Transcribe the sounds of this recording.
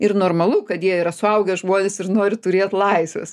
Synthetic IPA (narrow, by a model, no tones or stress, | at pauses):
ɪrnoːrmɐlˠʊkɐt̪jiɛiːɾɐsʊɐʊɡʲɛʒmoːnʲɛsɪrnoːɾʲɪt̪ʊɾʲeːt̪lˠɐɪsʋʲɛ̰s